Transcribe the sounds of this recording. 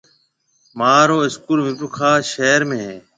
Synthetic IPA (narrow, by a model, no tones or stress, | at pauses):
maːɾoːɪskuːlmɪpʊkʰaːʃeːɾmẽːɦeː